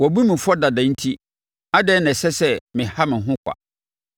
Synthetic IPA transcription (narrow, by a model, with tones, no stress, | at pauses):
wɔ˨bu˦mɪ̃˨fɔ˦da˨dã˨˦n̩˦tʰi˦ | a˦dɛː˦nɛ̃˨sɛ˦sɛ˦mɪ̃˨ha˦mɪ̃˨ɦʊ̃˦kʷʰa̰˨